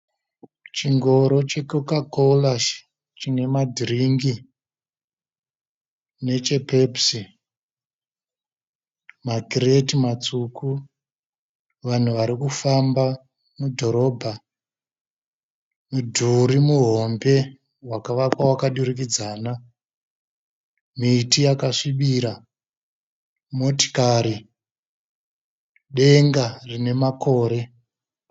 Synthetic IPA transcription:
t͡ʃiŋɡo̞ɾo̞t͡ʃe̞kokakolaʃ | t͡ʃine̞madʱiriŋɡi | ne̞t͡ʃe̞pepsi | maɡʱretimat͡suku | ʋan̤uʋaɾikufamba | mudʱo̞ɾo̞bʱa | mudʱuɾimuɦo̞mbe̞ | wakaʋakwawakaɗuɾik̬id͡zaːna | miːtijakaʂiɓiːɾa | mo̞ti̥kaɾi | ɗe̞ŋɡarine̞mako̞ːɾe̞

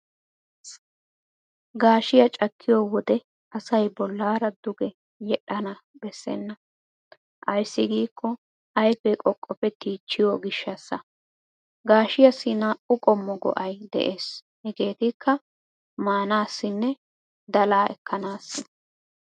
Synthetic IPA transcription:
ɡaːʃɪjɐt͡ʃʼɐkʰːɪjɔwɔd̪ɛ | ɐsɐjbɔlːaːɾɐd̪ʊɡɛ | jɛɗɐnɐbɛsːɛ̰nːɐ | ʔɐjsːɪɡiːkːɔ | ɐjfɛkʼɔkʼːɔpːɛt̪ːiːt͡ʃːɪjɔɡɪʃːɐsːɐ | ɡaːʃɪjɐsɪnɐʊkʼɔmːɔɡɔ̰ʔɐjd̪ɛ̰ʔeːs | hɛɡe̞ːt̪ɪkʰːɐ | maːnaːsːɪnːɛ | d̪ɐlaːɛ̰kːɐnaːsːɪ

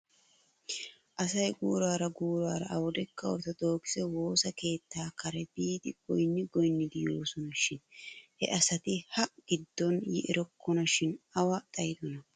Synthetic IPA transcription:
ʔɐsɐjɡuːɾaːɾɐɡuːɾaːɾɐ̰ɐwɔd̪ɛkːɐwɔ̰ɾt̪ɐd̪o̞ːkɪ̥sɛwo̞ːsɐke̞ːt̪ːaːkɐɾɛbiːd̪ɪɡ̥ɔjnːɪɡɔjnːɪd̪ɪjo̞ːsɔnɐʃɪnhɛ̰ʔɐsɐt̪ɪhɐɡ̥ɪd̪ːɔnjɪʔɛɾɔkːɔnɐʃɪnɐwɐt̪ʼɐjd̪ɔnɐ

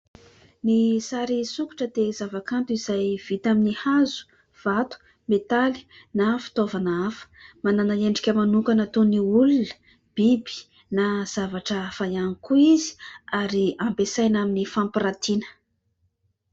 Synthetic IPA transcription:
nisaɾisuku̥ʈ͡ʂəd̪ezavakant̪uiz̥ajv̥it̪aminihazu̥ | v̥at̪u̥ | met̪ali̥ | nafi̥t̪ovanaafə̥mananaeɳɖ͡ʐikʲəmanukanət̪oniulunə̥ | b̥ibi̥ | naz̥avaʈ͡ʂəfajanikuizi̥aɾiampesajnaminifampiɾat̪inə̥

